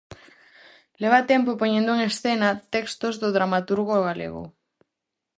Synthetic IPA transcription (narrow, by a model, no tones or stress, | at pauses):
leβat̪ɛmpopoɲẽnd̪oeŋesθenat̪ɛkst̪ozðoðɾamat̪uɾɣoɣ̞alḛɣo̰